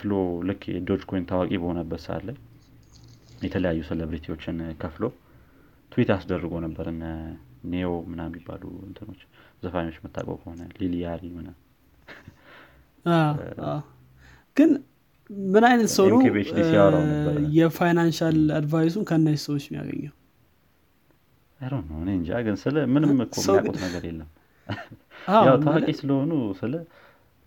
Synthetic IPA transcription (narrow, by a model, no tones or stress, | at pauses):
flolɨkʰːd̪o̞d͡ʒkʰo̞jnt̪ʰawakʼibəho̞nəbːət̪sɨa̰lːaɲ | jɛt̪ʰələjajːuselebɾit̪ʰiwot͡ʃːɪnkʰəflo̞ | t̪ʰwit̪ʰəasɨd̪ərːɨɡonəbːəɾɨnːaneomɨnajɛmːibːa̰lṵɨnt̪ʰɨno̞t͡ʃːzəfaɲot͡ʃːmət̪ʰːa̰kʼo̰wkʰəho̞nəlilijaɾimɨna | aa | ɡ̥ɨn | mɨnajnət̪səwnəβet͡ʃesaɾjɛfajnanʃalad̪vajs̬unkʰəɨndasəwot͡ʃːmja̰ɡə̰ɲːaw | ʔəɾonəwɨneɨnd͡ʒa̰ɡɨnsɨləmɨnɨmɨkʰːommaṵt̪nəɡəɾjḛlːəm | aawtʰəakʼisɨləhonusɨlə